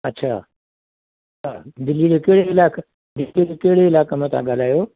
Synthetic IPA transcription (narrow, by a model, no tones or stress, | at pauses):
ɐtːɕʰa̰ː | a̰d̪ɪlːid͡ʑokɐɦɽeɪlaːk | d̪ɪid͡ʑokeɦɪɽeɪlaːkemẽt̪ʰã̰ɠaːl̤aːjoː